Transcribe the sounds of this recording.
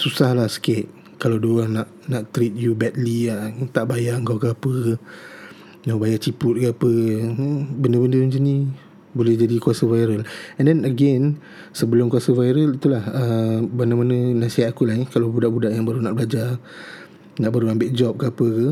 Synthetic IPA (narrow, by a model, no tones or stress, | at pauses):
susahlahsə̥kɪt̪̚ | kalawdoaŋnaʔ | naʔt̪ɾit̪̚jubɛt̪̚liat̪aʔbajaəŋkaɡapə | nabajaʔt͡ʃipʊt̪̚ɡapə | bəndəbəndənd͡ʒəni | bolɛhd͡ʒadikuasəvajɾəlɛndɛnəɡɛn | səbəlʊmkuasəvajɾəlit̪ulahəbənəmanə̃nasiɦat̪̚akulaɦikalabudaʔbudaʔjaŋbaɾunaʔbəlad͡ʒa | naʔbaɾuambɪʔd͡ʒɔp̚ɡapəkə